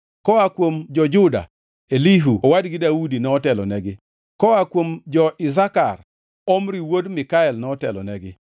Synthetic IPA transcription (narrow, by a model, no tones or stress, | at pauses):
kɔakwomd͡ʒɔd͡ʒʊda̰ | eliɦuowadɡɪdaudinɛɔtɛlɔ̰nɛɡɪ | kɔakwomd͡ʒɔʔɪs̬akar | omɾiwodmɪkaɛlnɛɔtɛ̰lɔ̰nɛɡɪ